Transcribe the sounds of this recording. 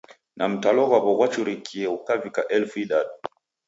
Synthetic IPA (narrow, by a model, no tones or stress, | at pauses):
nam̩talɔɣwaβɔɣwat͡ʃuɾikʰiɛukavikaʔɛlfuiɗaɗu